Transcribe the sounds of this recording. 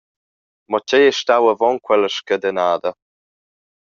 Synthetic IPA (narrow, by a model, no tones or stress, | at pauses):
mɔcɛjeʃtawəvɔnkwɛləʃkəd̪ənaːd̪ə